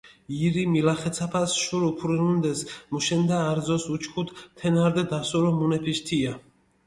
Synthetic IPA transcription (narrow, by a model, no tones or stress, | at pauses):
iɾimilaχɛt̪sʰapʰasʃuɾupʰuɾinund̪ɛsmuʃɛnd̪aːɾd̪zɔsut͡ʃʰkʰut̪t̪ʰːɛnaɾd̪ɛd̪asuɾɔmunɛpʰiʃt̪ʰia